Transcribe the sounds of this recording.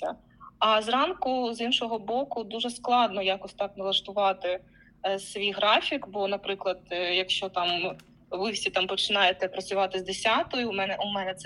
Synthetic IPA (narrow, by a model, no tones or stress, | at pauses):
ɐ̰ | ɐzrɑnkʊzinʃɔɦɔbɔkʊd̪uʒɛsklˠɑd̪nɔjɑkɔsʲt̪ɑknɐlˠɐʃt̪ʊʋɑt̪ɪ | sʋʲijɦɾɑfʲikbɔnɐpɾɪklˠɐd̪̥jɐkʃt͡ʃɔt̪ɑm | ʋɪsʲit̪ɑmpɔt͡ʃɪnɑjet̪ɛpɾɐt͡sʲʊʋɑt̪ɪzd̪esʲɑt̪ɔjʊmɛnɛʔumɛnɛt̪sɛ